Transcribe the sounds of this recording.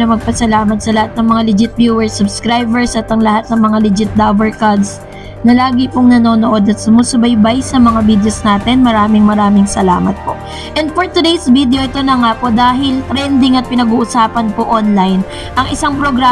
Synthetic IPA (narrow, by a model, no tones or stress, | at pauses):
ɐmɐɡ̚pɐsɐlaːmɐt̪sɐlɐhat̪̚nɐŋmɐŋalɪd͡ʒɪt̪̚bjuːɛɹsʊbskɾajbɛɹsʔɐt̪ɐŋlɐhat̪̚nɐŋmɐŋalɪd͡ʒɪt̪̚d̪avɛɹkad̪s | nɐlaːɡɪpoŋnɐno̞ːnoʔo̞d̪ɐt̪sʊmosɐbɐjbajsɐmɐŋavid̪ɛosnaːt̪ɛnmɐɾaːmɪŋmɐɾaːmɪŋsɐla̰ːmɐt̪̚po̞ʔ | ʔɛnd̪̚poɹt̪ʊd̪ejsvid̪ejo̞ʔɪt̪o̞nɐŋapo̞d̪aːɦɪlt̪ɾɛnd̪ɪŋɐt̪̚pɪnɐɡuːʔʊsaːpɐnpoʔonlajn | ʔɐŋʔɪsaŋpɾoɡɾa